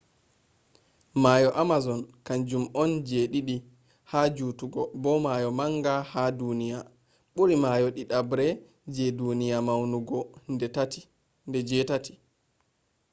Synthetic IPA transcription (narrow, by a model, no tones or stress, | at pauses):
majɔʔamazɔnkand͡ʒumɔnd͡ʒeɗiɗi | had͡ʒuːtuɡɔbɔmajɔmaŋɡahadunija | ɓuɾimajɔɗiɗabɾɛ | d͡ʒɛdunijamawnuɡɔndɛtati̥ | ndɛd͡ʒɛtati̥